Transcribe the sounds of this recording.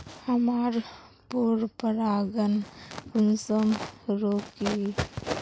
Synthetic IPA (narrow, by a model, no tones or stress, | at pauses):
həmaɾ | puɾpəɾaɡənunsəmɾoki